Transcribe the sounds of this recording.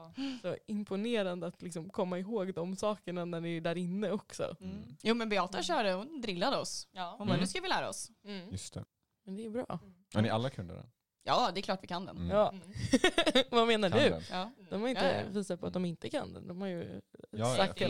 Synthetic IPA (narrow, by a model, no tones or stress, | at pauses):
sɔɪmpʰʊneːɾand̪əat̪lɪksɔmkʰɔmːaɪɦoːɡd̪ɔmsɑːkəɳanæɖɪæɖæɾɪnːəɔksɔ̰juːmɛnbɪɑːt̪əɕœːɖəhʊnd̪ɾɪlːad̪əɔshʊnʉskavɪlæːɾa̰ɔ̰sjɵst̪ʰɛ̰ | mɛnd̪ɛɛbɾɑ̰ː | ɛ̰nɪa̰lːakʰɵnd̪ə̰ɾ̰ | jɑːd̪ɛkʰlɑːʈvɪkʰand̪ɛ̰njɑː | vameːnadɵd̪ɔmhaɾɪnt̪əviːsat̪pʰɔat̪̚d̪ɔmɪnt̪əkʰa̰nd̪ɛ̰d̪ɔmhaɾjɵ | akt̪